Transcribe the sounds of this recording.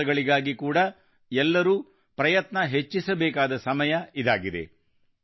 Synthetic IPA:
ɐɡɐɭiɡaːɡikuːɽɐ | ɛlːɐɾuː | pɾɐjɐt̪nɐɦet͡ʃːisɐbɛːkaːd̪ɐsɐmɐjɐid̪aːɡid̪e̞̰

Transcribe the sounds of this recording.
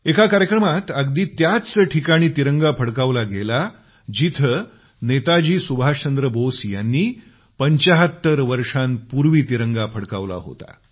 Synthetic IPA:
ekakaɾjəkɾəmat̪əɡd̪iːt̪jat͡səʈʰikaɽ̃iːt̪iɾəŋɡapʰəɽkaʋlaɡela | d͡ʑit̪ʰə | net̪ad͡ʑiːsubʱat͡ɕənd̪ɾəbosjanːiː | pəɲt͡ɕaɦət̪ːəɾʋəɾʂanpuɾʋiːt̪iɾəŋɡapʰəɽka̰ʋla̰ɦo̰t̪a̰

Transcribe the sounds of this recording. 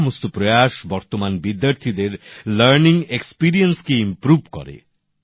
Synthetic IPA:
most̪opɾɔjaʃbɔɾt̪omanbid̪jaɾt̪ʰid̪eɾlɐɾniŋekspiɾienskeimpɾubʱkɔ̰ɾḛ

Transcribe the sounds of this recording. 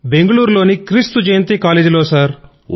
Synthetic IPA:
be̞ŋɡɐɭuːɾlo̞ːnikɾist̪ud͡ʒɐjɐnt̪iːkaːleːd͡ʒulo̞ːsɐɾ

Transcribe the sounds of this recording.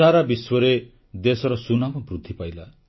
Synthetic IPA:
aɾabiswʌɾe | d̪esʌɾʌsunamʌbrud̪ʱːipajla

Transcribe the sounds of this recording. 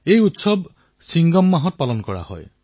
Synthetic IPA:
ejut̪sɔb | siŋɡɔmːaɦɔtɔpalɔnɔkɔɽa̰hɔ̰e

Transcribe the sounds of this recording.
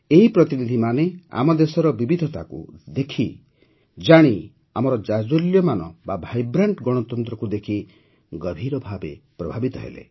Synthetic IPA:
eɦipɾɔt̪inid̪ʱimanea̰mɔd̪esɔɾɔbibid̪ʱɔt̪akṵd̪ekʰi | d͡ʒaɽ̃i | amɔɾɔd͡ʒad͡ʒoljɔmanɔbabʱajbɾaɳʈɡɔɽ̃ɔt̪ɔnt̪ɾɔkud̪ekʰi | ɡɔbʱiɾɔbʱabḛpɾɔbʱabit̪ɔɦḛlḛ

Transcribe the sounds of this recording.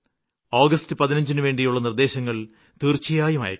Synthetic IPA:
oːɡɐstɨpɐðinɐɲd͡ʑinɨʋe̞ːɳɖijuɭːɐnird̪e̞ːɕɐŋːɐɭ | t̪iːrt͡ɕːijaːjuma̰ːjɐ̰

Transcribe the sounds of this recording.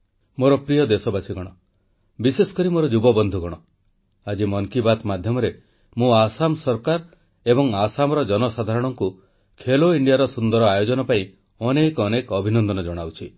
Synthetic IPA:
moɾɔpɾijɔd̪esɔbasiɡɔɽ̃ɔ | bisesɔ̥kɔɾimoɾɔd͡ʒubɔbɔnd̪ʱuɡɔɽ̃ɔ | ad͡ʒimɔŋkibat̪mad̪ʱjɔmɔɾe | mũasamsɔɾkaɾ | ebɔŋasamɔɾɔd͡ʒɔnɔsad̪ʱaɾɔɽ̃ɔŋku | kʰeloiɳɖijaɾɔsund̪ɔɾɔajod͡ʒɔnɔpaĩ | ɔnekɔnekɔbʱinɔnd̪ɔnɔd͡ʒɔɽ̃awt͡ʃʰi

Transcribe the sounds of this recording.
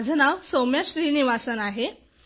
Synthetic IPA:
d͡znaʋsomjaɕɾiːniʋasənaɦe

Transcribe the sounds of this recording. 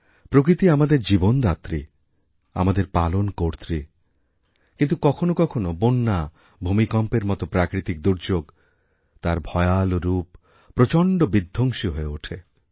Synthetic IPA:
pɾok̬ɾit̪iamad̪eɾd͡ʑibond̪at̪ɾi | a̰mad̪eɾpalonkoɾt̪ɾi | kint̪ukɔkʰonokɔkʰonobonːa | bʱumikɔmpeɾmɔt̪opɾakɾit̪ik̚d̪uɾd͡ʒoɡ | t̪aɾbʱɔealoɾupː | ɾot͡ʃɔɳɖobid̪ʱːoŋʃiɦoeoʈʰe

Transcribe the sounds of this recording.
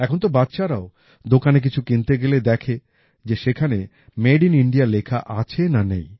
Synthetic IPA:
ɛkʰont̪obatːʃaɾao | d̪okanek̬it͡ɕʰukint̪eɡeled̪ɛkʰe | d͡ʑeʃekʰane | meɖiniɳɖijalekʰaʔat͡ɕʰenanḛj

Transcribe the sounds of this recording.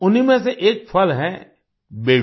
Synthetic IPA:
ʊnimẽseʔeːk̚pʰɐlɦɛ̃ː | beː

